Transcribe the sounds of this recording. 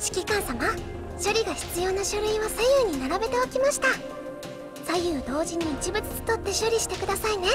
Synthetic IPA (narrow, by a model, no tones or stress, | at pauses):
ɕi̥kʲikãɰ̃sama | ɕo̞ɾʲiɡaçi̥t͡sɨjo̞ːnaɕoɾɯ̟iβasajɯ̟ːɲ̟inaɾabe̞t̪e̞okʲimaɕi̥t̪a | sajɯ̟ːd̪o̞ːʑiɲ̟iːt͡ɕibɯ̟t͡sɨ̥t͡sɨ̥t̪o̞t̪ːe̞ɕoɾʲiɕi̥t̪e̞kɯ̟d̪asaine̞